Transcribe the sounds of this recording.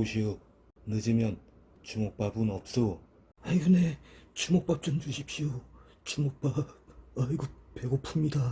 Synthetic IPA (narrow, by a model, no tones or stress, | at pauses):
oɕʰio | nɯd͡ʑimjʌn | t͡ɕumok̚p͈abunʌp̚s͈o | aiɡɯnet͡ɕumok̚p͈ap̚t͡ɕ͈ʌnd͡ʑuɕʰip̚ɕio | t͡ɕumok̚p͈ap̚ʌɭɡupe̞ɡopʰumɲida